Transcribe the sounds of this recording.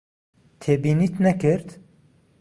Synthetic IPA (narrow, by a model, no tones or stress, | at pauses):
t̪ʰeːbiːniːt̪nɛkɨɾt̪